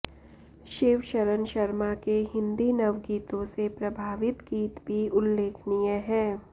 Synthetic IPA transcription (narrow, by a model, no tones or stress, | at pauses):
ʃeːʋʃəɾənʃɐɾmakeɦɪ̃nd̪inɐʋɡiːt̪õsepɾɐbʱaːʋɪt̪ɡiːt̪bʱiʊlːeːkʰnijəɦɛ̃ː